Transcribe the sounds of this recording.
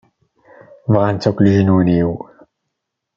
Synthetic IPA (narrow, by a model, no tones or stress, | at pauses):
vʁant͡sːækʷləʒənwəniw